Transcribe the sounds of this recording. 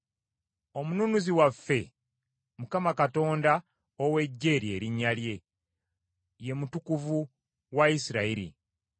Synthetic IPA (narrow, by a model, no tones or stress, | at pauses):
o̞mununuziwafːe̞ | mukamakato̞ːnda | owe̞ɟːe̞ːɾie̞ɾiɲːalje̞ | je̞mutukuvu | waisiɾaiɾḭ